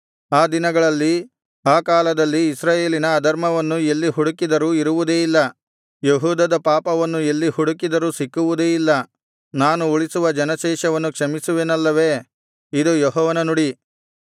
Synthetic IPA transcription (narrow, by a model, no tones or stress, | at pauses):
aːd̪inɐɡɐɭɐlːi | aːkaːlɐd̪ɐlːiːsɾaːje̞ːlinɐːd̪ɐɾmɐʋɐnːue̞lːiɦuɽukid̪ɐɾuːiɾuʋud̪eːilːɐ | jeɦuːd̪ɐd̪ɐpaːpɐʋɐnːue̞lːihuɽukid̪ɐɾuːsikːuʋud̪eːilːɐ | naːnuuɭisuʋɐd͡ʒɐnɐʃɛːʃɐʋɐnːukʂɐmisuʋeːnɐlːɐʋe̞ː | id̪ujɔɦɔːʋɐnɐnuɽi